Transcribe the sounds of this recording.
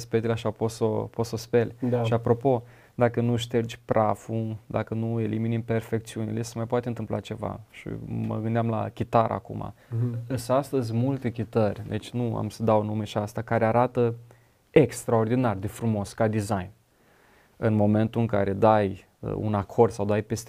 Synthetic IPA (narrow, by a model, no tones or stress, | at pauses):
spekt̪eleaʃapot̪so̞pot̪so̞spe̞lʃiapɾo̞po̞ | d̪akənuʃt̪erd͡ʒʲpɾʔafud̪akənue̞liminimpe̞rfe̞kt̪siunḭle̞semajpoat̪ent̪ɨmplat͡ʃe̞va̰ʃḭmə̰ɡɨnd̪eamla̰kʲit̪aɾa̰kṵmʔa̰əsəast̪əzʲmult̪e̞kʲit̪ərʲd̪et͡ʃʲnua̰msəd̪awnume̞ʃiast̪akaɾeaɾat̪ə | e̞kst̪ɾao̞rd̪inard̪e̞fɾumo̞skad̪izajn | ɨnmo̞me̞nt̪uɨŋkaɾe̞d̪aj | ə̰ṵnakʰo̞rd̪̥sawd̪ajpe̞st̪e